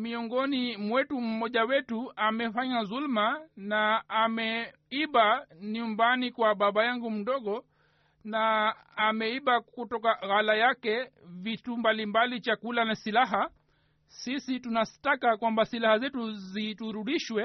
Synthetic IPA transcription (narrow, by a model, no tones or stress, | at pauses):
miɔŋɡɔnimwɛtum̩mɔʄawɛtuamɛfaɲaðulmanaːmɛ | iɓaniumbanikwaɓaɓajaŋɡum̩ɗɔɠɔ | naː | mɛiɓakutɔkaɣalajakɛvitumbalimbalit͡ʃakulanasilaɦa | sisitunastakakwambasilahazɛtuzituɾuɗiʃwɛ